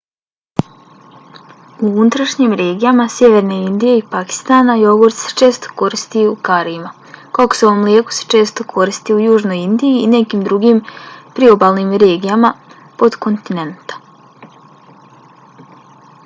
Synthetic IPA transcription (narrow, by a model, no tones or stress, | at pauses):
uunut̪ɾaʃɲimɾe̞ːɡijamasʲje̞ʋe̞ɾneind̪ije̞ipaki̥st̪aːnajo̞ɡoɾt̪se̥t͡ʃe̞ːst̪o̥ko̞ɾist̪iukaɾiima | kako̥seo̞ʋo̞mljeːku̥se̥t͡ʃe̞ːst̪o̞kʰo̞ɾist̪iujuːʒno̞jind̪iiːne̞kiːmd̪ɾuɡimpɾio̞balˠnimɾe̞ːɡijama | po̞d̪ko̞nt̪ine̞nt̪ḁ